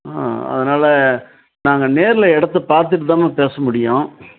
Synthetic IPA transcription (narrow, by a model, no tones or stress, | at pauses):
a̰ɐ̰ðɐnaːlɐ | naːŋɡɐneːɾɪlɐɛɽɐt̪̬ːɯpaːɾt̪̬ɯʈ̬ːɯt̪aːmẽːpeːsɐmʊɽɪjõː